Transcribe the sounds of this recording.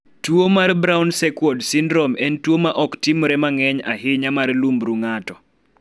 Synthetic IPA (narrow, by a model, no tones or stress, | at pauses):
twomarbɾawnsɛkwɔdsɪndɾɔmɛntwomaʔɔktɪmɔɾɛmaŋɛɲaɦɪɲamarlumbɾuŋatɔ